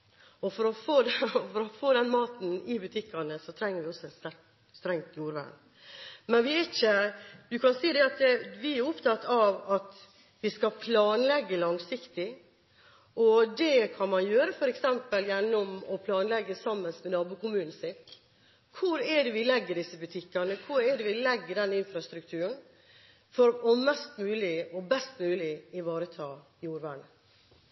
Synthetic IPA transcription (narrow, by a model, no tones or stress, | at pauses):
ɔfɔɾɔfoːd̪ɛfɔɾɔfoːd̪ɛnmɑːt̪n̩ɪbʉt̪ʰɪkːɑnəsɔt̪ʰɾɛŋːəɾʋɪɔsːɔɛt̪st̪æɾ | st̪ɾɛŋt̪juːɾʋæ̰n | mɛnʋɪæɪçəd̪ʉkɑnsiːd̪ɛɑt̪ʋɪæɾʊpt̪ʰɑt̪ːɑʋɑt̪ | ʋɪskɑpʰlɑːnlɛɡːəlɑŋsɪkt̪ɪ | ɔd̪ɛkʰɑnmɑnjøːɾəfɔɾɛksɛmpəljɛnːɔmɔpʰlɑːnlɛɡːəsɑmːənsmɛnɑːbuːkʰʊmʉːnn̩sɪt̪ | kʰʊɾɛɖɛʋɪlɛɡːəɖɪsːəbʉt̪ʰɪkːɑnəkʰʊɾɛɖɛʋɪlɛɡːəɖɛnːɪnfɾɑst̪ɾʉk̚t̪ʰʉːɾən | fɔɾɔmɛst̪mʉːlɪɔbɛst̪mʉːlɪɪʋɑːɾət̪ʰɑːɪjuːɾʋæːɳə